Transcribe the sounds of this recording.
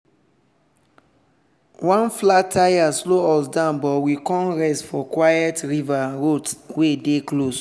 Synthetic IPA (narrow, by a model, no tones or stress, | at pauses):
wãnflatʰajasloɔsdãʊ̃nbɔwikɔ̃nɹɛstfɔkwajɛtɹivaɹotwedeklos